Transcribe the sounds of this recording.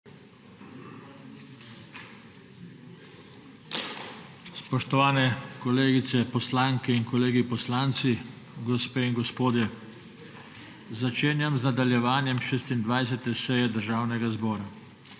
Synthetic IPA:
spɔʃt̪ɔʋaːnɛkɔleːɡit̪sɛpɔslaːŋkɛinkɔleːɡipɔslaːnt̪si | ɡɔspeːinɡɔspoːd̪jɛ | zat͡ʃeːnjamznad̪aljɛʋaːnjɛmʃeːst̪ind̪ʋajs̬ɛt̪ɛsɛjɛd̪əɾʒaːwnɛɡazbɔːɾa

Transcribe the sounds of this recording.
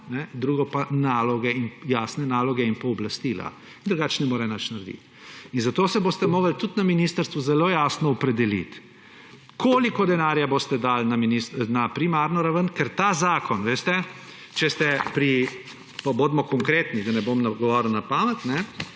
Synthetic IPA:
nɛd̪ɾuːɡɔpanaːlɔɡɛinjaːsnɛnaːlɔɡɛinpɔɔblast̪iːla̰ | ind̪ɾuɡaːt͡ʃnɛmoːɾɛnat͡ʃnaɾd̪ḭt̪ | inzat̪oːsɛboːst̪ɛmoːɡəlt̪ut̪naminist̪əɾst̪ʋuzɛloːjaːsnɔɔpɾɛd̪ɛlḭt̪ | kʰoːlikɔd̪ɛnaɾjabost̪ɛd̪alnaminisnapɾimaːɾnɔɾaʋənkɛɾt̪aːzaːkʰɔnʋeːst̪ɛ | t͡ʃɛst̪ɛpɾi | paboːd̪mɔkɔŋkɾeːt̪nid̪anɛbomnaɡɔʋɔɾlnapaːmɛt̪nɛ

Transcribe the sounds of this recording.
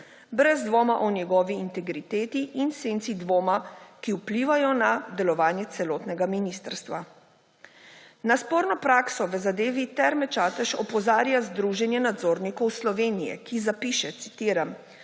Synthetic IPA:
bɾɛzd̪ʋoːmaʔɔnjɛɡɔːʋiːnt̪ɛɡɾit̪eːt̪iʔinsent̪sid̪ʋoːmakiupliːʋajɔnad̪ɛlɔʋaːnjɛt̪sɛlɔːt̪nɛɡaminist̪əɾst̪ʋa | naspoːɾnɔpɾaːksɔʋəzad̪eːʋit̪ɛɾmɛt͡ʃaːt̪ɛʃɔpɔzaːɾjazd̪ɾuʒɛnjɛnad̪zoːɾnikɔwslɔʋenijɛ̰kizapiʃɛt̪si̥t̪iːɾam

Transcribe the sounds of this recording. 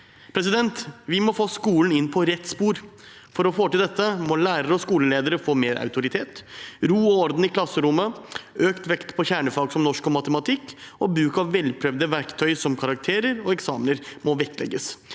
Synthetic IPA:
pʰɾɛsɪd̪ɛnt̪ʋɪmɔfoːskuːln̩ɪnpʰɔɾɛt̪ːspuːɾ | fɔɾɔfoːʈɪld̪ɛt̪ːəmɔlæːɾəɾəɔskuːləleːd̪əɾəfoːmeːɾʔa̰ʉt̪ʊɾɪt̪ʰeːt̪ɾuːɔɔɾd̪n̩ɪkʰlɑsːəɾʊmːəøːkt̪ʋɛkt̪pʰɔçæːɳəfɑːɡsɔmnɔʂkɔmːɑt̪əmɑt̪ʰɪkːɔbɾʉːkɑʋʋɛlpʰɾœʋd̪əʋæɾkt̪ʰœʏsɔmkʰɑɾɑk̚t̪ʰeːɾəɾɔɛksɑːmnəɾmɔʋɛkːlɛ̰ɡːəs

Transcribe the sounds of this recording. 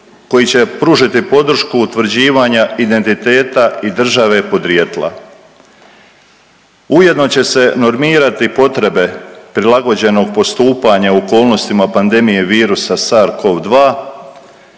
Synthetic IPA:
ko̞jit͡ɕe̞pɾuʒit̪ipo̞d̪r̩ʃkuːt̪ʋɾ̩d͡ʑiːʋaɲaid̪e̞nt̪it̪e̞ːt̪aid̪r̩ʒaʋe̞po̞d̪ɾjet̪lˠa̰ | uje̞d̪no̞t͡ɕe̞se̞no̞ɾmiːɾat̪ipo̞t̪ɾe̞be̞pɾilˠaɡo̞d͡ʑe̞no̞ɡ̚po̞st̪uːpaɲauoko̞ːlˠno̞st̪imapand̪e̞mije̞ʋiːɾusasaɾkʰo̞ʋd̪ʋaː

